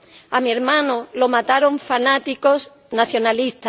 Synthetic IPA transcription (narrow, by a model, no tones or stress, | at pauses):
amieɾmãnolomat̪aɾo̞ɱfanat̪ikos | naθjo̞nalist̪a